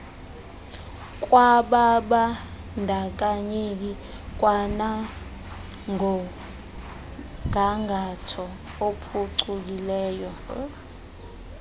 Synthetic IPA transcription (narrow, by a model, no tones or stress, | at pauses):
k̬ʼwaɓaɓa | ndʱak̬aɲek̬i | k̬ʼwana | ŋʱɔ | ŋʱaŋɡʱatʰɔ | opʰuǀuk̬ilɛːjɔ